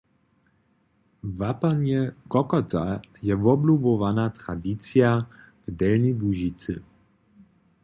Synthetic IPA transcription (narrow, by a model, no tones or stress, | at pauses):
vapanjɛkɔkɔt̪ajɛvɔblubɔvanat̪ɾad̪it͡sja | vd̪ɛlnibuʒit͡sɨ̰